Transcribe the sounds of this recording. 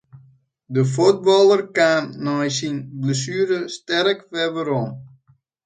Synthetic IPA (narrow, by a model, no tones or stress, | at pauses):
dəfut̚bɔlˠərkaːmnɔjsinbləsyːɾəstɛrəkʋɛʋəɾom